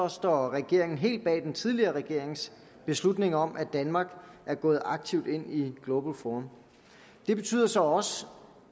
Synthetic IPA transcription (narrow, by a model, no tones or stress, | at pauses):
ɒsd̥ɒʁɛɡ̥e̝ɐ̰e̝ŋn̩ɦe̝̰ːld̥̚b̥ɛ̰ːd̥ent͡sʰið̞ˠliɐːʁɛɡ̥e̝ɐ̰e̝ŋs | b̥e̝slud̥ne̝ŋɒ̽mʔæd̥ænmɑ̈ɡ̥ʔæɐɡ̥ɔ̽ːð̞̩ˠɑ̈ɡ̥̚t͡sʰiʊd̥e̝n̰iɡ̥lo̝b̥l̩fɒm | d̥e̝b̥e̝t͡sʰy̰ːð̰ˠɐsɒ̽ɒ̽s